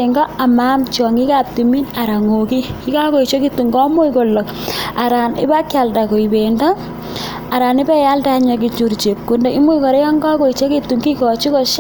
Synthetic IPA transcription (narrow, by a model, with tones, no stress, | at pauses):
eŋɡɔ˦a˨ma˦mt͡ʃɔ˨ŋi˦ka˦p̚timi˦na˨ɾa˨ŋoki˦ki˦ka˦ko˨i˨t͡ʃo˦ki˦tːu˨ŋɡɔ˦mu˦jko˨lːɔ˨k | a˨ɾa˨nɪ̰˦ba˦kja˨lda˨kɔ˨i˨benda˦ | a˨ɾa˨nɪ˦bɛ˦ja˦lda˦ɲa˨k̬i˨t͡ʃu˨ɾt͡ʃe˨p̚ku˦nde˦i˦mu˦jkɔ˨ɾe˦jɔ˦ŋɡa˦kɔ˨i˨t͡ʃo˦ki˦tːu˨ŋki˦kɔ˨t͡ʃi˦kɔ˨ʃ